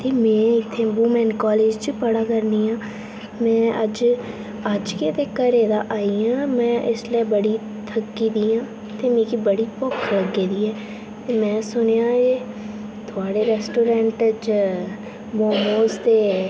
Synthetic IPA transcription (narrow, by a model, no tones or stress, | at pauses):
t̪eːmɛ̃ːɪt̪ʰːẽːbuːmɛ̃ːnkaːleːd͡ʒt͡ʃipəɽaːkəɾniːãː | mɛ̃ːʔəd͡ʒ | əd͡ʒket̪eːkːəɾeːd̪aːʔaːiãːmɛ̃ːʔɪ̰sləibəɽiː | t̪ʰəkːiːd̪iːãː | t̪eːmẽːkibəɽiːpɔkʰləɡːeːd̪iːɛː | t̪eːmɛ̃ːsʊnjãːeː | t̪ʰʊaːɽeːɾɛːsʈoːɾɛ̃ːɳʈəd͡ʒ | moːmoːst̪eː